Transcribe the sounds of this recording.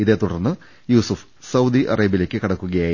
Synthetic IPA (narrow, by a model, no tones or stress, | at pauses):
iðe̞ːt̪uɽɐrnːɨ | juːsuf | sɐwd̪iʔɐ̰rɐːbile̞ːkʲːɨkɐɽɐkːuɣɐjaː